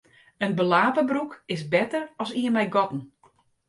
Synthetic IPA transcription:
ənbəlaːpəbrukɪsbɛtərɔsiənmɛjɡɔtn̩

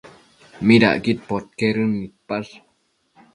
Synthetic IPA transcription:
mida̰ʔɡit̪̚pɔt̪̚keɾənːit̪̚pas

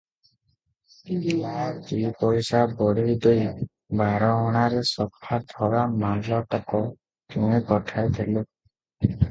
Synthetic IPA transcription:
t̪ipɔjsabɔɽiid̪oj | baɾɔɔɽ̃aɾesɔpʰad̪ʱɔɾamallɔʈɔkɔ | kũekɔʈʰajt̪ʰele

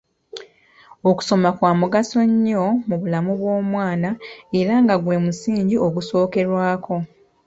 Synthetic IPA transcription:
oku̥so̞makwaːmuɡaso̞ɲːo̞muβulamuβwo̞ːmwaːnae̞ɾaŋɡaɡwe̞ːmusiːɲɟio̞ɡuso̞ːke̞ɾwaːkʰo̞

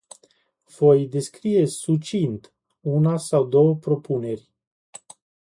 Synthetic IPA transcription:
vo̞jd̪e̞skɾije̞sut͡ʃint̪ | unasawd̪o̞wəpɾo̞pune̞rʲ

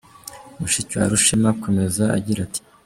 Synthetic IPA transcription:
muʃicwa̰ɾuʃimako̞me̞zaa̰ɟiɾati̥

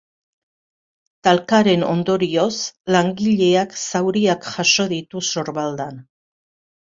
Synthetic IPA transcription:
t̪alkaɾe̞no̞̰nd̪o̞ɾio̞slaŋɡiʎe̞aksawɾiakʝaʃo̞ðit̪uso̞ɾβald̪an

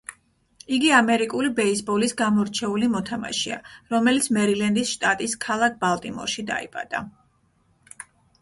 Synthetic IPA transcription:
iɡiamɛɾikʼulibɛisbɔlisɡamɔɾt͡ʃʰɛulimɔt̪ʰama̰ʃḭa̰ɾɔmɛlit̪sʰmɛɾilɛnd̪isʃt̪ʼat̪ʼiskʰalˠak̚ʰbalˠt̪ʼimɔ̰ɾʃid̪a̰ḭbʼa̰d̪̥a̰

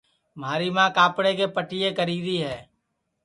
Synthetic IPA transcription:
maːɾimãkaːpɽekepəʈijekəɾiːd̪iɦɛː

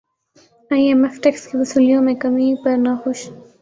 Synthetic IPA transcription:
aːiemefʈekskeʋɐsuːlijõmẽkɐmipɐɾnaxʊʃ

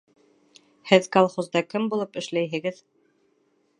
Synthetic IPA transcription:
hɘðkalˠχozd̪ɑkɘmbulˠɤpɘ̆ʃlæjɦɘ̆ɡɘð

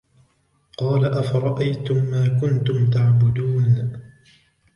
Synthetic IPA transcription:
qɑːlaʔafaɾˤɑʔajt̪ʊmːaːkʊnt̪ʊmt̪̬aʕbʊd̪uːn

